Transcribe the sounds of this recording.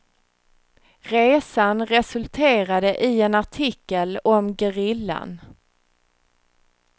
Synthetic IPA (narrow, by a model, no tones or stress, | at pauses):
ɾeːsanɾɛsɵlt̪ʰeːɾad̪əʔɪɛnaʈʰɪkːəlɔmɡɛɾɪlːa̰n